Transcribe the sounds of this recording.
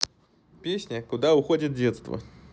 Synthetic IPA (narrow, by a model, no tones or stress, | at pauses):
pʲesʲnʲəkʊd̪aʊxodʲɪt̪̚dʲet̪st̪və̰